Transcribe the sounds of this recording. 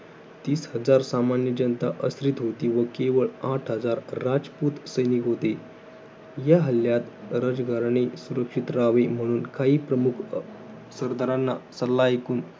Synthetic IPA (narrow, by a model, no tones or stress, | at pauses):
t̪iːsɦəd͡zaɾsamanjəd͡ʑənt̪aʔəsɾit̪ɦot̪iːʋəkeʋəɭaʈʰɦəd͡zaɾːad͡zput̪səjnikɦot̪e | jaɦəlːjat̪ɾəd͡zɡʱaɾɳ̃isuɾəkʂit̪ɾaʋem̤əɽ̃uːnkaiːpɾəmukʰ | səɾd̪aɾanːa̰səlːaekuːn